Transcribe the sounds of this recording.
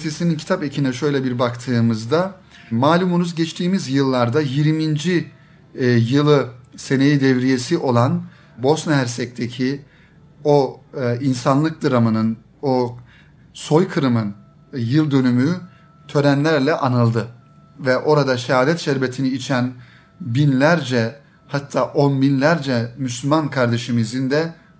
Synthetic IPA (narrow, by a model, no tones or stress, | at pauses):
t̪ʰesinincʰi̥t̪ʰapecʰinɛʃø̞jlʲɛbiɾbakt̪ʰɯːmɯzd̪a | maːlʲumunuzɟɛt͡ʃt̪ʰiːmizjɯlˠːaɾd̪ajiɾmind͡ʒi | jɯlˠɯse̞nejid̪ɛvɾije̞siʔo̞lˠan | bo̞snaɦæɾsɛc̚t̪ʰecʰi | o̞insanlˠɯk̚d̪ɯɾamɯnɯn | o | so̞jkʰɯɾɯmɯn | jɯlˠd̪ø̞nymy | t̪ʰø̞ɾænlʲæɾlʲɛʔanɯlˠd̪ɯ | vɛʔo̞ɾad̪aʃɛɦaːd̪ɛt̪ʃɛɾbet̪ʰiniːt͡ʃʰæn | binlʲæɾd͡ʒɛ | hat̪ʰːaːʔo̞nminlʲæɾd͡ʒɛmyslʲymankʰaɾd̪eʃimizind̪ɛ